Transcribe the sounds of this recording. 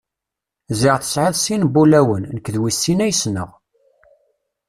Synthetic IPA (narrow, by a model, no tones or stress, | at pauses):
ziʁθə̥sʕaðsinbulæwənːəkːðwisːinæjəsnə̰ʁ